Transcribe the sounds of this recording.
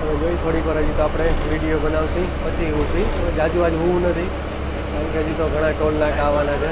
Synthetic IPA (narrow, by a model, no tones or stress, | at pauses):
əʋed͡ʒoikʰoɽipəɾad͡ʒit̪oapɽ̃eʋiɽijobənaʋsĩpət͡ʃʰiɦũsied͡ʒad͡ʒũad͡ʒɦuʋũnət̪ʰi | kanked͡ʒit̪oɡʱəɽ̃ãʈonːãkaʋanat͡ʃʰe